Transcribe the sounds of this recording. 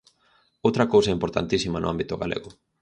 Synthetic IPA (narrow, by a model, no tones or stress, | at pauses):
owt̪ɾɐkowsɐimpoɾt̪a̰nt̪isimɐnʊ̰ambit̪ʊɣa̰lḛɣʊ